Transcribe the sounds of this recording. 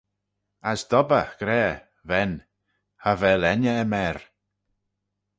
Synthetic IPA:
asd̪̥ɔbəɡ̥ɾɛː | vɛn | havɛlɛnəːmɛɾ

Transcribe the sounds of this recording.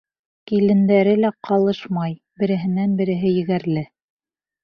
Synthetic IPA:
kilɘ̆nd̪æɾɘlæqɑlˠɤʃmɑj | bɘ̆ɾɘ̆ɦɘ̆nænbɘ̆ɾɘ̆ɦɘjɘ̆ɡæɾlɘ

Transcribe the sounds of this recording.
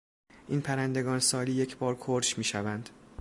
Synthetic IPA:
ʔiːnpʰæɾænd̪e̞ɡɒːnesɒːliːje̞cʰbɒːɾkʰoɾʃmiːʃævænd̪̥

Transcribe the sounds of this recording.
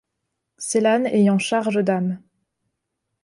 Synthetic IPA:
selanejɑ̃ʃaʁʒəd̪am

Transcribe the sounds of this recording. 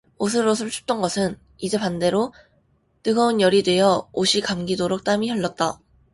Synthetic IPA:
os̬ʰɯɾosʰɯɭt͡ɕʰu̥t͈ʌnɡʌsʰɯn | id͡ʑe̞pande̞ɾo | tɯɡʌunjʌɾidwe̞jʌoɕʰikamɡidoɾok̚t͈amiçjʌɭːʌt̚t͈a

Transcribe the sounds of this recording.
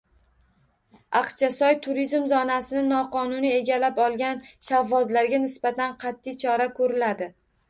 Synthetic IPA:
ɑqt͡ʃʰasɒjt̪ʰʊɾizmzɒnasɪnɪnɒqɒnʊnie̞ɡʲalapɒlˠɡʲanʃavːɒzlaɾɡʲanɪsbat̪anqʰɑt̪ʰːɪjt͡ʃʰɒɾakʰɵɾɪlad̪ɪ

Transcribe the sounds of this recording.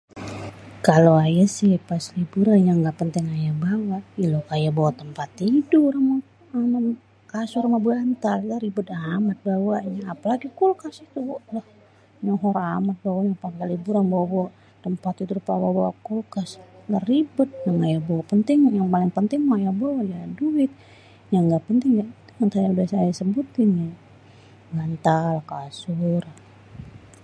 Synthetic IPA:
kaloajasɪpaslibuɾanjaŋɡaʔpənt̪ɪŋajabawailokajabawat̪əmpat̪idurama | ama | kasuɾamabəant̪allaɾibʊt̪amat̪̚bawaɲaːpalaɡikulkasit̪ulah | ɲɔɦɔɾamat̪̚bawaɲapaŋkalibuɾanbawabawa | t̪əmpat̪ut̪uɾupawabawakulkaslaribʊt̪̚naŋaaboapənt̪ɪŋjaŋpalɪŋpənt̪ɪŋmajaboajaduɪt̪̚ | jaŋɡaʔpənt̪ɪŋjait̪umant̪ajaudahsajasəbut̪ɪnja | bant̪alahkasur

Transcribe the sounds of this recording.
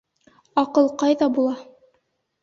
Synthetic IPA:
ɑqɤlˠqɑjðɑbulˠɑ

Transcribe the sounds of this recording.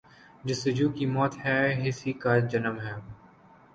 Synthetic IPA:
d͡ʒɪsɪd͡ʒuːkimɔːt̪hɛːɦɪsikaːd͡ʒɐnəmɦɛː

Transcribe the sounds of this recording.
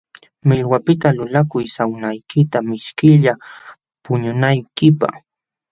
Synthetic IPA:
mɪlwapɪt̪alʊlakʊjsawnajkɪt̪amɪʃkɪʎa | pʊɲʊnajkɪpa̰χ

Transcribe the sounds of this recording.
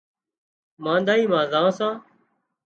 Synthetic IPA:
mãːnd̪aːiːmãːzãːsãː

